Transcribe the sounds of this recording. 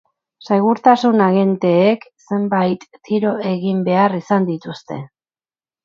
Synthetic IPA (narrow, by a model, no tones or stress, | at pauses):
seɣuɾt̪asunaɣe̞nt̪e̞ːkse̞mbajt̪ːiɾo̞e̞ɣimbe̞arisand̪it̪ust̪e̞̰